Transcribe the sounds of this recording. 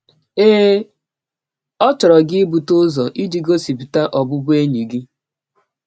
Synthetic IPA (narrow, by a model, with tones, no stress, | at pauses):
eː˦ | ɔ˦t͡ʃɔ˨ɾɔ˨ɡɪ˦bu˨tʊ˦zɔ˨ʔi˦d͡ʒi˨ɡo˦si˨bi˨ta˦ʔɔ˨bʊ˦bʊ˦e˦ɲi˨ɡi˦